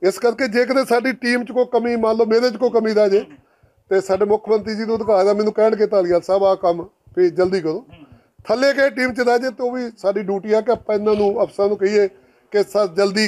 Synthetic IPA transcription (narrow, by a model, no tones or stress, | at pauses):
ɪskəɾkeːd͡ʒeːk̬əd̪eːsaːɖiːʈiːmt͡ʃkoːkəmiːmãːnloːmeːɾeːt͡ʃkoːkəmiːd̪aːd͡ʒeː | t̪eːsaːɖeːmʊkʰmənt̪ɾiːd͡ʒiːnũːd̪kaːd̪aːmɛ̃ːnũːkɛːɳkɪt̪aːlɪjaːsəbaːkəm | pʰeːd͡ʒəld̪iːkəɾoː | t̪ʰəleːkeeːʈiːmt͡ʃəd̪aːd͡ʒeːt̪eoːʋiːsaːɖiːɖjuːʈiːaːkɪəpãːɪnãːnũːəpsãːnũːkəiːeː | kɪsəd͡ʒəld̪iː